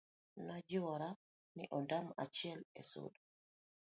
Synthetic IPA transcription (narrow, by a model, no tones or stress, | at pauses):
nad͡ʒiwaɾa | nḭʔɔndamat͡ʃiɛlɛ̰so̰ɗu